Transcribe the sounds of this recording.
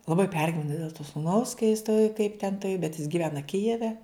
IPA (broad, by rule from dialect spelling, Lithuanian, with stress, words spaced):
lˠɐˈbɐɪ ˈpʲɛrʲɡʲɪʋʲɛnɐ dʲeːlˠ toː sʊˈnɐʊs kɐ jɪs ˈtoːj kɐɪp tʲɛn ˈtɐɪ bʲɛt jɪs ɡʲɪˈʋʲæːnɐ ˈkʲɪjɛʋʲɛ